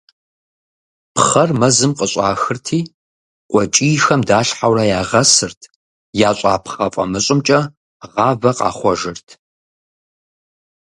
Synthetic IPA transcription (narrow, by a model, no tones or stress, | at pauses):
pχɐrmɐzɨmqəɕʼa̰ːxɨrtʰiː | qʷʼɔt͡ʃʼiːxɐmdaːɬħawrɐjaːʁɐsɨrtʰ | jaːɕʷʼaːpχɐfʼɐ̰mɨɕʼɪmt͡ʃʼɐ | ʁɑːvɐqɑ̰ːχʷɔʒɨrtʰ